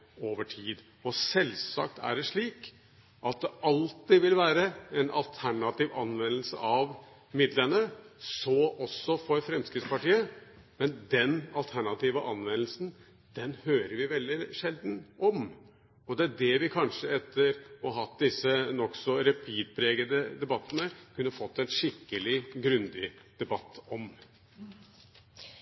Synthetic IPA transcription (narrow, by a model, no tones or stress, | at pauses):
oːʋəʈʰiːd̪ | ɔsɛlsɑ̰k̚t̪ʰæ̰ɖɛʂɭiːk | ʔɑt̪̚d̪ɛʔɑlt̪ɪʋɪlʋæːɾəɛnʔɑ̰lt̪ʰæɳɑt̪iːʋɑ̰nʋɛnəl̩sə̰ʔɑʋ | mɪd̪lənəsɔɔsːɔfɔɾfɾɛmskɾɪt̪spɑʈiːə | mɛnd̪ɛnɑlt̪ʰæɳɑt̪iːʋəʔɑnʋɛnəlsn̩ | d̪̥ɛnhøːɾəɾʋɪʋɛld̪ɪʂɛld̪nʔɔm | ɔd̪ɛæɖɛʋɪkʰɑnʂəɛt̪ʰːəɾɔɦɑt̪̚d̪ɪsːənɔksɔɾɛpʰiːd̪̚pʰɾeːɡəd̪əd̪ɛbɑt̪ːənəkʰʉnːəfɔt̪ːɛnʂɪkːəlɪɡɾʉnd̪ɪd̪̥ɛbɑt̪ːɔm